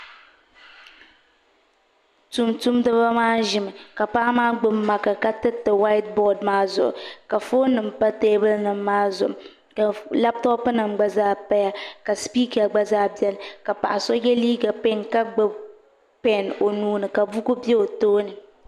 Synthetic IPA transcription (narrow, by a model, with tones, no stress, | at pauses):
tu˨mtu˦mdɨ˦βa˦maː˦ʒɪ˨mɨ˨ka˨pa˦maː˦ɡ͡bɨ˦mːa˨ka˨ka˦tɨ˦tɨ˨wa˦ɪ˦t̚bɔ˦˨dmaː˦zʊ˨ʔʊ̰˨ka˨fo˦nɨ˨m˨pa˦teː˦bɨ˦lnɨ˨m̩ː˦aː˦zʊ̰˨m˨ | ka˨la˦p̚tɔ˦pɨ˦nɨ˨mɡ͡ba˦zaː˦pa˦ja˦ka˨spi˦ka˨ɡ͡ba˦zaː˦bɛ˦lka˨pa̰˨ʔa˨sɔ˦jɛ˦liː˦ɡa˨pe˦˨ŋka˦ɡ͡bɨ˦b | pɛ˨no˨nuː˦nɨ˨ka˨bu˦ku˦bɛ˦o˨toː˦nɨ˨